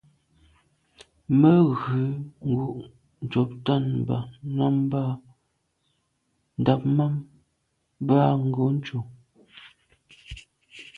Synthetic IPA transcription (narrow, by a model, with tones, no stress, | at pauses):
mə˦ɣʉ˨˦ŋ̩˨ɡu˨ʔ | n̩˨t͡ʃɔ˨p̚ta˦˨nm˨ba̰˨na˦mba˦˨ | n̩˨da˨p̚ma˦m | ba˦˨ŋ̩˨ɡo˨˦n̩˦t͡ʃo˨